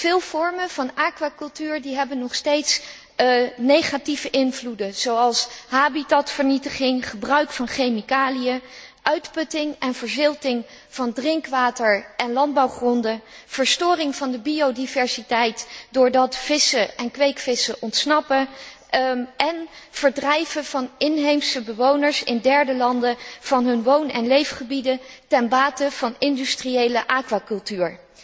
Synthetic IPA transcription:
v̥ɪːlˠv̥ɔɹməvɑnaːkʋakɵlˠtyːɹdiɦɛbənːɔχstejts | nejχativəʔɪnvludəz̥owɑlˠsɦaːbitatfəɹnitəχɪŋχəbrœɥkfɑnχejmikaːlijəʔœɥtpɵtɪŋɛnvəɹzɪlˠtɪŋ | v̥ɑndrɪŋkʋaːtəɹʔɛnlɑnd̚bɑwχrɔndəv̥əɹstʊːrɪŋv̥ɑndəbiowdivɛɹsitɛjtdʊːɹdɑtfɪsəʔɛnkʋejkfɪsəʔɔntsnɑpə | ʔɛnv̥əɹdrɛjvəvɑnɪnɦejmsəbəʋownəɹsɪndɛɹdəlɑndəv̥ɑnɦɵnʋownɛnlejfχəbidətɛnbaːtəv̥ɑnɪndystrijejləʔaːkʋakɵlˠtyːɹ

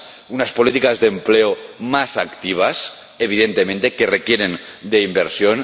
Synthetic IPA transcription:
unaspolit̪ikazðempleomasakt̪iβ̞as | eβ̞iðent̪emẽnt̪ekerekjeɾend̪eimbeɾsjon

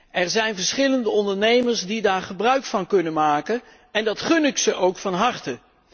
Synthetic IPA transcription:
ɛɹzɛjnvəɹsχɪləndəɔndəɹnejməɹzdidaːɹχəbrœɥkfɑnkɵnənmaːkən | ɛndɑtχɵnɪksəʔowkfɑnɦɑɹtə

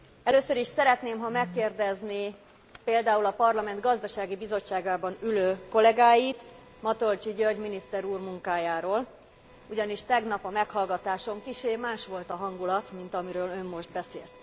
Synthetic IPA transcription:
ɛløːsøɾiʃsɛɾɛt̪neːmɦɒmɛkːeːrd̪ɛzni | peːld̪aːulɒpɒrlɒmɛnd̪ɡɒzd̪ɒʃaːɡibizo̞t͡ʃːaːɡaːbɒnyløːko̞lɛɡaːjit̪ | mɒt̪olt͡ʃiɟørɟminist̪ɛɾuːrmuŋkaːjaːɾoːl | uɟɒniʃt̪ɛɡnɒpɒmɛkhɒlɡɒt̪aːʃo̞mkiʃeːmaːʃʋo̞lt̪ɒɦɒŋɡulɒt̪mint̪ɒmiɾøːlø̞mːo̞ʒd̪̚bɛsḛːlt̪

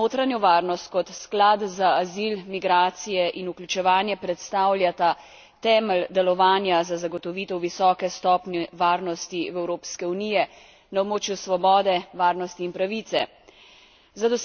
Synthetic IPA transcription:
oːt̪ɾanjɔʋaːɾnɔst̪̚kɔt̪sklad̪zaːzilmiɡɾaːt̪sijɛʔinuklʲut͡ʃɛʋaːnjɛpɾɛt̪st̪aːwlʲjat̪a | t̪ɛːməld̪ɛlɔʋaːnjazazaɡɔt̪ɔʋiːt̪ɛwʋisɔːkɛst̪ɔːpnɛʋaːɾnɔst̪iwɛwɾoːpskɛunijɛ | naɔbmoːt͡ʃjusʋɔbɔːd̪ɛʋaːɾnɔst̪iːnpɾaʋit̪sɛ̰ | zad̪ɔs

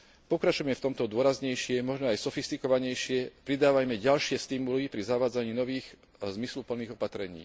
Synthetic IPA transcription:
pɔkɾat͡ʃujmɛft̪ɔmt̪ɔd̪ʊɔɾazɲɛjʃɪɛmɔʒnɔajsɔfist̪ikɔʋaɲɛjʃɪɛpɾid̪aːʋajmɛɟalʃɪɛst̪imulipɾizaʋaːd͡zaɲiːnɔʋiːx | zmislupl̩nːiːɣɔpat̪ɾɛɲḭː

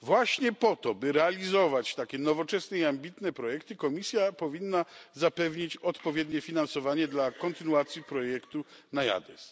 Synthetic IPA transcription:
vwaɕɲɛpɔt̪ɔbɘɾɛalʲizɔvat͡ɕt̪akʲɛnɔvɔt͡ʂɛsnɛiambʲit̪nɛpɾɔjɛkt̪ɘkɔmʲisʲjapɔvʲinːazapɛvɲit͡ɕɔt̪pɔvʲjɛd̪ɲɛfʲinansɔvaɲɛd̪lakɔnt̪ɘnuat̪sʲjipɾɔjɛkt̪unaja̰d̪ɛs

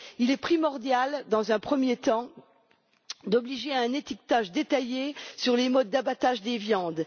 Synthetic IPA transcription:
ilɛpχimɔʁd̪jald̪ɑ̃zɛ̃pχəmjet̪ɑ̃ | d̪ɔbliʒeɛ̃net̪ik̚t̪aʒd̪et̪ajesyʁlemɔd̪̚ːabat̪aʒd̪evjɑ̃d̪

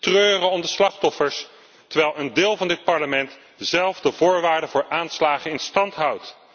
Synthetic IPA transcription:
trøːrənɔmdəslɑχtɔfəɹs | təɹʋɛjlˠəndɪːlˠvɑndɪt̚pɑɹləmɛnt | zɛlˠvdəvʊːɹʋaːɹdəvʊːɹʔaːnslaːχəɪnstɑntɦʌwt

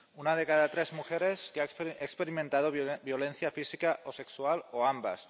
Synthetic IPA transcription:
unað̞ekaðat̪ɾezmuxeɾeskeaekspeɾimẽnt̪að̞objolen̟θjafisikaʔose̞kswaloamba̰s

